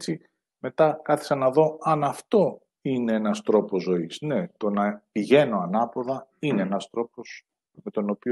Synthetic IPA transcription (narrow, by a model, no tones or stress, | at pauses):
t͡si | me̞t̪ɐkɐθi̥ksɐnɐðo̞ɐnɐft̪o̞ | ine̞enɐst̪ɾo̞po̞zo̞isne̞t̪o̞nɐpiʝe̞no̞ɐnɐpo̞ðɐine̞enɐst̪ɾo̞po̞s | me̞t̪o̞no̞pi